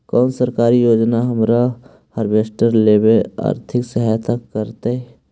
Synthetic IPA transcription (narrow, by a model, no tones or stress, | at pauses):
kɔːnsəɾkaːɾijoːd͡ʒnaɦəmɾa | həɾbeːsʈəɾleːbea̰ːɾt̪ʰɪksəɦajt̪ʰakːəɾt̪aɦɛ